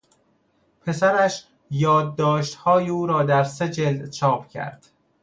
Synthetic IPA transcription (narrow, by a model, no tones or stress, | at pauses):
pʰe̞sæɾæʃ | jɒːd̪ːɒːʃt̪hɒːjeuːɾɒːd̪æɾse̞d͡ʒe̞ld̪t͡ʃʰɒːpʰcʰæ̰ɾd̪̥